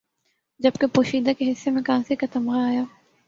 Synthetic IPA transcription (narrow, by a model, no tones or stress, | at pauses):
d͡ʒɐbkepoːʃiːd̪akeɦɪsːemẽkãːsikat̪ɐmɣaaːjaː